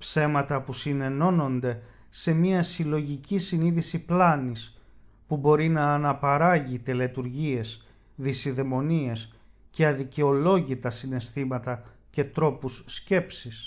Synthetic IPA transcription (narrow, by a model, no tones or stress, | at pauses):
pse̞mɐt̪ɐpusine̞no̞no̞nd̪e̞ | se̞miɐsilo̞ʝicisiniðisiplɐnis | pubo̞ɾinɐːnɐpɐɾɐʝit̪e̞let̪uɾʝie̞s | ðisiðe̞mo̞nie̞s | ce̞ɐðice̞o̞lo̞ʝit̪ɐsine̞st̪imɐt̪ɐ | ce̞t̪ɾo̞pusːce̞psis